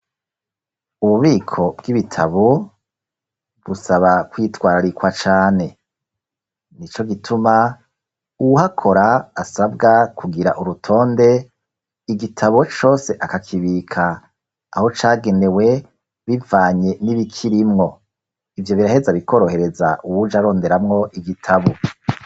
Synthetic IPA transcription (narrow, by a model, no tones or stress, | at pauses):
uβuβiːkʰo̞bɡiβitʰaβo | βusaβakwiːtwaːɾaɾikwat͡ʃaːne̞ | nit͡ʃo̞ɡitʰuma | uuɦakʰo̞ɾaːsabɡakʰuɡiɾaʔuɾutʰo̞ːnde̞ | iɡitʰaβo̞t͡ʃo̞ːse̞ʔakakʰiβikʰaː | ho̞t͡ʃaːɡe̞ne̞we̞ | βivaːɲe̞niβikʰiɾimŋo̞ | ivjo̞βiɾahe̞zaβikʰo̞ɾo̞he̞ɾe̞za̰ʔuwud͡ʒaɾo̞ːnde̞ɾamŋo̞ʔiɡitʰaβo